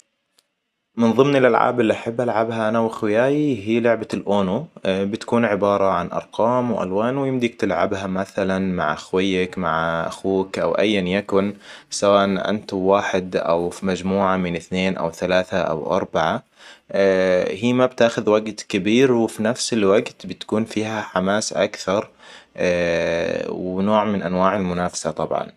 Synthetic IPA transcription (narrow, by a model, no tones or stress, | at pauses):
mɪnðˤɨmnɪlʔalʕa̰ːbɪlːiʔaħabːʔalʕabɦaʔanawɪxwɪjaːjiɦiːlʊʕbalʔoːnubɪt̪ḁkuːnʕɪbɑːɾˤɑʕanʔɑ̰ɾˤqɑːmwʔa̰lwaːnwɪjɪmd̪ɪk̚t̪ɪlʕa̰bhamaθalanma̰ʕʔaxwɪjːakmaʕʔa̰xuːkʔa̰wʔa̰jːanjakʊnsawaːʔanʔa̰nt̪waːħɪd̪ʔa̰wfimad͡ʒmuːʕamɪnɪθneːnʔa̰wθalaːθaʔa̰wʔɑ̰ɾˤbaʕa | hiːmabt̪aːxʊðwaɡt̪kabiːɾwɪfinafsɪlwaɡt̪bɪt̪ḁkuːnfiːhaħamaːsʔakθɑɾˤ | wnoːʕmɪnʔanwaːʕalmʊnaːfḁsat̪ˤɑbʕɑ̰n